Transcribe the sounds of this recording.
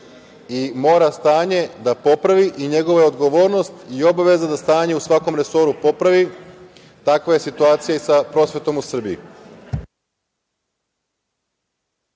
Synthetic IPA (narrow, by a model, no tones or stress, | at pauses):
imo̞ːɾast̪aːɲe̞d̪apo̞pɾaʋiʔiɲe̞ɡo̞ʋao̞d̪ɡo̞ʋo̞ːɾno̞st̪io̞baʋe̞zad̪ast̪aːɲe̞usʋako̞mɾe̞so̞ɾupo̞pɾaʋi | t̪akʋaje̞sit̪uaːt̪sijaisapɾo̞sʋe̞t̪o̞musr̩biḭ